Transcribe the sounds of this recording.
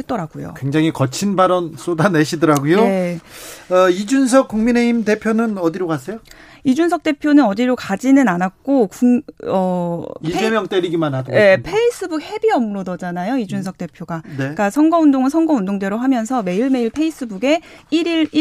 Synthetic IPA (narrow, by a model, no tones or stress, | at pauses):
et̚t͈ʌɾaɡojo̰kwe̞ŋd͡ʑaŋikʌt͡ɕʰinbaɾʌns͈odaneɕʰidʌɾaɡojoe | ʌid͡ʑuns̬ʰʌk͈̚uŋmine̞imde̞pʰjonɯnʌdiɾokas͈ʰejo | id͡ʑunsʰʌk̚t͈e̞pʰjonɯnʌd͡ʑiɾokad͡ʑinɯnanak̚k͈okuʌiemjʌŋt͈eɾiɡimanɦadoe̞pʰe̞is͈ʰɯbuk̚he̞biʌmɾodʌd͡ʑanajoid͡ʑunsʰʌk̚t͈e̞pʰjoɡanek͈asʰʌŋɡʌundoŋsʰʌŋɡʌundoŋde̞ɾoɦamjʌnsʰʌme̞iɭme̞iɭpʰe̞is͈ɯbuɡe̞iɾiɭ